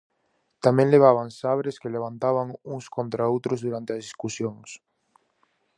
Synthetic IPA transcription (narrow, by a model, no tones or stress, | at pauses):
t̪amẽŋleβ̞aβaŋsaβɾeskeleβ̞ant̪aβaŋuŋskont̪ɾaowt̪ɾozðuɾant̪eazðiskusjoŋs